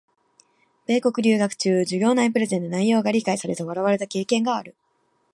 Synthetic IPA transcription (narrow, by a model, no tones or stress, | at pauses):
b̥e̞ːko̞kɯ̟ɾʲɨ̟ːɡakɯ̟̥t͡ɕɨːd͡ʑɨɡʲo̞ːnaipɯ̟ɾe̞zẽ̞nonaijo̞ːɡaɾʲikaisaɾe̞t̪oβ̞aɾaβ̞aɾe̞t̪ake̞ːkẽ̞ŋɡaːɾɯ̟